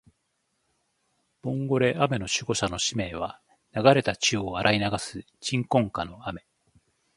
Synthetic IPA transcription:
b̥õ̞ŋɡo̞ɾe̞ʔame̞no̞ɕɨɡo̞ɕano̞ɕime̞ːβ̞a | naɡaɾe̞t̪at͡ɕioaɾʔainaɡasɨ | t͡ɕĩŋkõ̞ŋkano̞ame̞

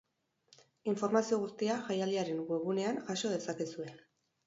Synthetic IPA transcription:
iɱfo̞ɾmasio̞ɣust̪iaʝajald̪iaɾe̞ŋɡwe̞ɣune̞aŋʝaso̞ð̞e̞sakesue̞

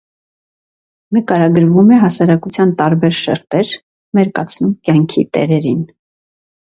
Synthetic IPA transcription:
nəkɑɾɑɡəɾvumɛɦɑsɑɾɑkut͡sʰjɑnt̪ɑɾbɛɾʃɛ̰ɾt̪ɛɾ | mɛɾkɑ̰t͡sʰnumkjɑŋkʰit̪ɛ̰ɾɛɾin

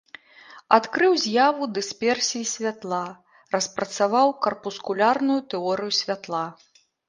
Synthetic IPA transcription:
at̪kɾɨwzʲjavud̪ɨspʲɛrsʲijisʲvʲat̪lˠa | rɐspɾɐt̪savawkɐrpuskulʲarnujut̪ɛɔɾɨjusʲvʲat̪lˠa

